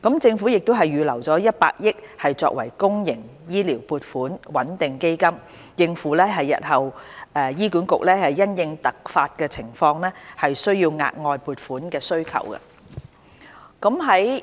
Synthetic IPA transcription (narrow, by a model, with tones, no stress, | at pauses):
kɐ˨˥mt͡sɪ˧ŋfu˨˥jɪ˨k̚t̪o˥wɦɐ˨jːyː˨˧lɐ˨˩wt͡sɔː˨˥jɐ˥t̚pa̰ː˧k̚jɪ˥k̚hɐ˨jt͡sɔ̰ː˧k̚wɐ˨˩jkʊ˥ŋjɪ˨˩ŋjiː˥liː˨˩wpuː˨˧t̚fuː˨˥nwɐ˨˥nt̪ɪ˨ŋke˥jkɐ˥m | jɪ˧ŋfuː˨˥lɛː˥ɦɐ˨jːɐ̰˨t̚hɐ˨wɛː˧jiː˥kuː˨˥nkʊ˨k̚lɛː˥hɐ˨jːɐ˥njɪ˧ŋt̪ɐ˨k̚faː˧t̚kɛː˧t͡sʰɪ˨˩ŋfɔː˧ŋnɛː˥hɐ˨jsɵ˥ɥjiː˧wŋa̰ː˧t̚ŋɔː˧jpuː˨˧t̚fuː˨˥nkɛː˧sɵ˥ɥkʰɐ̰˨˩wkɐ̰˧ | kɐ˨˥mɦɐ˨˥j